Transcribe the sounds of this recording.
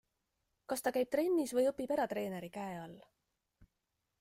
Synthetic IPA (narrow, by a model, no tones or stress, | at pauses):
kɑst̪ɑkæjb̥̚t̪ɾe̞nʲːisvɤjɤpːibe̞ɾɑt̪re̞ːne̞ɾikæeɑlː